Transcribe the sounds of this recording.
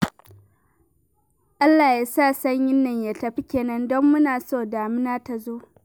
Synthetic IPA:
ʔa˦lːaː˨ja˦saː˦˨sɐ˦ɲjɪ˦nːɐ˨ɲja˨tɐ˨ɸi˦kʲeː˨nɐ˦ndɔ˦mːʊ˦naː˨soː˦˨daː˨mɪ˦naː˦ta˨zoː˦

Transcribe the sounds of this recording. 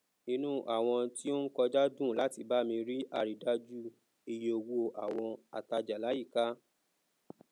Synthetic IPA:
i˧nũ˦ʔa˨w̃ɔ̃˧ti˦o˦n̩˦kɔ˧d͡ʒa˦dũ˦˨la˦ti˧ba˦mĩ˧ɾi˦ʔa˧˨ɾi˨da˦d͡ʒu˦ | i˧je˧o˧wu˦o˧ʔa˨w̃ɔ̃˧a̰˨ta˧d͡ʒa˨la˨˦ji˦˨ka˦

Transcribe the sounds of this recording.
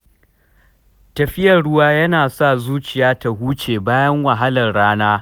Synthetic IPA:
tɐ˨ɸɪ˦jɐ˨rɽʊ˦waː˦jɐ˦naː˨sa˦˨zuː˦t͡ʃɪ˨jaː˦ta˨huː˦t͡ʃeː˨baː˦jɐ˦ŋwɐ˨ɦa˦lɐ˨rɽaː˦naː˦

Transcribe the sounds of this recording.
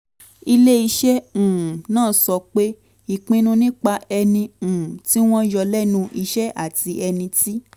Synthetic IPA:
i˧le˦i˧ʃɛ̃˦˨nãː˦˨sɔ˨˧k͡pe˦ | i˨k͡pĩ˦nũ˦nĩ˦k͡pa˧ɛ˧nĩ˧˨ti˦w̃ɔ̃˦jɔ˧lɛ˦nũ˧ʔi˧ʃɛ˦ʔa˦˨ti˧ɛ˧nĩ˧ti˦

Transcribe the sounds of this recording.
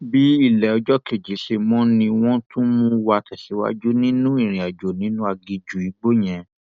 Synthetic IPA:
bi˦i˦˨lɛ˨ɔ˧d͡ʒɔ˦ke˨d͡ʒi˨˦ʃe˧mɔ̃˦nĩ˧w̃ɔ̃˦tũ˦mũ˦wa˧˨tʰɛ˨ʃi˨˦wa̰˦d͡ʒu˦nĩ˦nũ˦i˦˨ɾ̃ĩ˨a˨d͡ʒo˨nĩ˨˦nũ˦a˧ɡi˧d͡ʒu˨i˨˦ɡ͡bo˦j̃ɛ̃˧

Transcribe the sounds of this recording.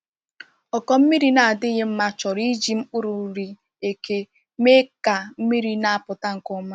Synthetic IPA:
ɔ˨kɔ˦m̩˦mi˦ɾi˦na˨a˨dɪ˦ɣe˦m̩˦ma˦t͡ʃɔ˨ɾi˦d͡ʒi˦m̩˦k͡pʊ˦ɾu˨˦ɾi˦ | e˨ke˦ | me˦ka˨m̩˦mi˦ɾi˦na˨a˨pʊ˨ta˦ŋ̩˨kʊ˦ma˦

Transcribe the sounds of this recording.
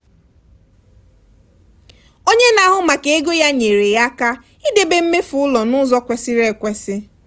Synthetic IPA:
o˦ɲe˦na˨˦ɦʊ˨ma˨ke˨e˦ɡo˦ja˦ɲe˨ɾe˨ja˦ka˦ | i˦de˦be˦m̩˦me˦fʊ˨ʊ˦lɔ˨nʊ˦zɔ˦kʷe˨sɪ˦ɾe˦˨kʷe˦sɪ˦

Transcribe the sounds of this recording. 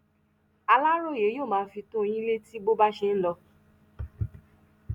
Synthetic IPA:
a˧la˦ɾ̃o˦˨je˨˦joː˦˨mãː˨˧˦fi˧tõ˦˧j̃ĩ˦le˦ti˦ɡ͡bo˦ba˦ʃe˧n̩˦lɔ˧

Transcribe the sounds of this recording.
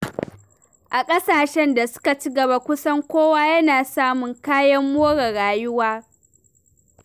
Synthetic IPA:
ʔa˨kʼɐ˦saː˨ʃɛ˦nda˨sʊ̥˦ka˨t͡ʃi˦ɡɐ˨ba˦kʷʊ˦sɐ˦ŋkʷoː˦waː˦jɐ˦naː˨saː˦mʊ˨ŋkaː˦jɐ˦mːoː˦ɽɐ˨ɽaː˨jʊ˦waː˦

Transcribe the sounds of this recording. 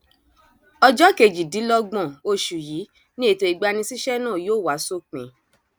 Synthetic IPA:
ɔ˧d͡ʒɔ˦ke˧˨d͡ʒi˨di˨˦lɔ˧ɡ͡bɔ̃˦˨o˧˦˨ʃu˨ji˨˦ | nĩ˦e˧˨to˧i˨ɡ͡ba˧nĩ˧si˦ʃɛ˦nãː˦˨joː˦˨wa˨˦so˦k͡pḛ̃˨

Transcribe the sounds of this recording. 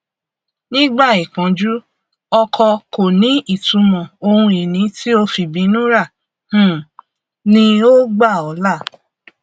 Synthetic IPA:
nĩ˦ɡ͡ba˦˨i˨kã˨˦d͡ʒu˦ | ɔ˧kʰɔ˧ko˨nĩ˨˦i˦˨tũ˨˧˦mɔ̃˨o˧hũ˧i˨nĩ˨˦ti˦o˧fi˨bĩ˨˦nũ˦ɾa˦˨ | h̩˦˨ | nĩ˧o˦ɡ͡ba˦˨ɔ˨˦la˦˨

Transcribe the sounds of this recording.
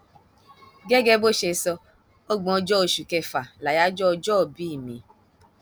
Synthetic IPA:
ɡɛ˦ɡɛ˦bo˦ʃe˧sɔ˧ | o˦ɡ͡bɔ̃˨ɔ˧d͡ʒɔ˦o˨ʃu˨kɛ˧fa˨la˨ja˦d͡ʒɔ˦ɔ˧d͡ʒɔ˦o˨bi˦i˦˨mḭ̃˨˦

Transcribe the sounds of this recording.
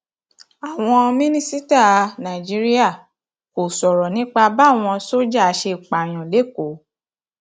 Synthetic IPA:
a˨w̃ɔ̃˧mĩ˦nĩ˦si˦ta˦˨nã˨i˨d͡ʒi˦ɾi˦a˦˨ | ko˨sɔ˨ɾɔ˨nĩ˨˦k͡pa˧ba˦˨w̃ɔ̃˧so˦d͡ʒa˦˨˧ʃe˧˨k͡pa˨j̃ɔ̃˨le˨˦ko˨˦

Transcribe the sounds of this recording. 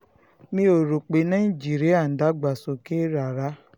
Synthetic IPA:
mĩ˧˦o˨ɾo˨k͡pe˨nã˦i˦˨d͡ʒi˦˨ɾi˦a˦˨n̩˨da˨˦ɡ͡ba˨so˨ke˦ɾa˨ɾa˨˦

